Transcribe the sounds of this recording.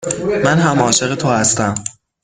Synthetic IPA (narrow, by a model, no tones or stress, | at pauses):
mænɦæmɒːʃe̞ɣe̞t̪ʰohæst̪æm